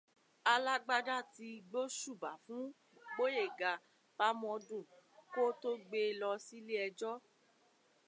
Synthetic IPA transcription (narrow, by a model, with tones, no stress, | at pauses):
a˧la˦ɡ͡ba˦˧da˦˨ti˧ɡ͡bo˦ʃu˦˨ba˨fũ˨˦ | ɡ͡bo˦je˦˨ɡa˨ | pa˦mɔ̃˧dũ˦˨ko˦to˦ɡ͡be˧lɔ˧si˦li˦ɛ˧d͡ʒɔ˦